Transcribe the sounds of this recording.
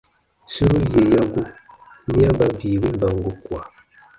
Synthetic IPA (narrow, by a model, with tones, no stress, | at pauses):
si˦wu˦je˨ja˦ɡu˦ | mi˦a˦ba˦vi˨wi˦ba˨ŋ˨ɡu˦kwa˨